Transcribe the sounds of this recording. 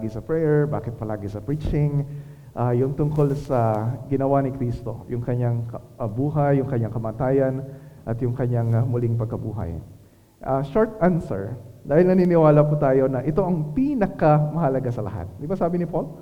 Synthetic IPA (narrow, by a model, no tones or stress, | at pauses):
ɡɪsɐpɹɛjɛɹba̰ːkɪt̪̚pɐlaːɡɪsɐpɹit͡ʃɪŋ | ʔajʊŋt̪ʊŋko̞lsɐɡɪnɐwanɪkɾiːst̪o̞̰jʊŋkɐɲaŋk | ɐbuːɦɐjːʊŋkɐɲaŋkɐmaːt̪aːjɐnʔɐt̪jʊŋkɐɲaŋmʊlɪŋpɐɡ̚kɐbuːɦɐ̰j | ʔɐʃoɹt̪ʔansɛ̰ɹd̪aːhɪlnɐninɪwaːlɐp̬ut̪aːjo̞nɐʔɪt̪o̞ʔɐŋpiːnɐkɐmɐhɐlɐɡasɐlɐ̰ɦa̰t̪̚d̪ɪbasaːbɪnɪpol